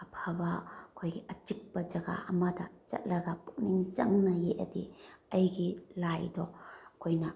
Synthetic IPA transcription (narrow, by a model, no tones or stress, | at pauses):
ɐpʰɐbɐkʰojɡiɐt͡ʃik̚pɐd͡ʒɐɡa̰ɐmɐdɐt͡ʃɐ̰t̚lɐɡɐpu̥k̚niŋt͡ʃɐŋnɐjeʔɐ̰dḭɐjɡilajdɔkʰojnɐ